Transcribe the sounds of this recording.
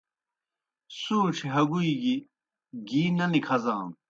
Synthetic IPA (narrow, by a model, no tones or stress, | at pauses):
suːʈ͡ʂʰiɦɐɡuiɡi | ɡiːnɐnikʰɐzãːm